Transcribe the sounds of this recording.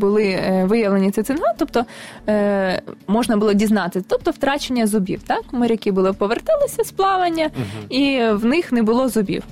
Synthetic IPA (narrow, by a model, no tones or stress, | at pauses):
bʊlˠɪʋɪjɐʋlˠenʲit̪sɪt̪ɪnɦat̪ɔpt̪ɔ | mɔʒnɐbʊlˠɔdʲiznɑt̪ɪt̪ɔp̚t̪ɔwt̪ɾɑt͡ʃenʲːɐzʊbʲḭwt̪ɑkmɔɾʲɐkʲibʊlˠɪpɔʋert̪ɪlˠɪsʲɐsplˠɑʋɐnʲːɐiwnɪxnɛbʊlˠɔzʊbʲḭw